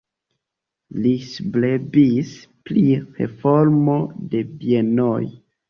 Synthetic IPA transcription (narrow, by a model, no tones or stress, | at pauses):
lisublebispliɾḛfoɾmode̞bienoj